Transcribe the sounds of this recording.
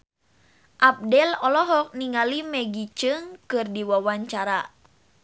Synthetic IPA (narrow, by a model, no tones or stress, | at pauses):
ʔap̚dɛlɔlɔɦɔk̚niŋalimɛɡit͡ʃɨŋkɨrdiwawaɲt͡ʃaɾa